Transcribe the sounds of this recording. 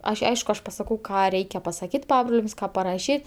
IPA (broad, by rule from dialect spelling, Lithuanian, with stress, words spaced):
ˈɐʃʲ ˈɐɪʃkʊ ˈɐʃ pɐsɐˈkɐʊ ˈkɑː ˈrʲɛɪkʲɛ pɐsɐˈkʲiːt ˈpɑːbroːlʲɛms ˈkɑː pɐrɐˈʃʲiːt